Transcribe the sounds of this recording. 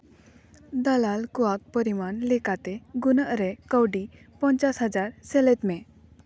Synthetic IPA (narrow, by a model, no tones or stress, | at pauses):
d̪əlalkuak̚pəɾimanlekat̪eɡunəʔɾekəwɖi | pəɲt͡ɕasɦəd͡zaɾselet̪me